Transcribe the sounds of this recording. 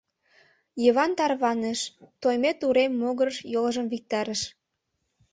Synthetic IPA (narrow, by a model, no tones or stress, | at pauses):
jəβɑnt̪ɑrβɑnəʃt̪ojmet̪uɾemːoɣərʃjolʒəmvik̚t̪ɑɾəʃ